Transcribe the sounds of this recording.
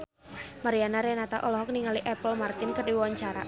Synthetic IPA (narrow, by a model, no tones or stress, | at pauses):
maɾianaɾɛnat̪aʔɔlɔɦɔk̚niŋaliʔɛpəlmart̪ɪnkərdiwawaɲt͡ʃaɾa̰